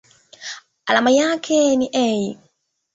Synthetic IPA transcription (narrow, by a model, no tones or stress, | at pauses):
alamajakʰɛniʔɛi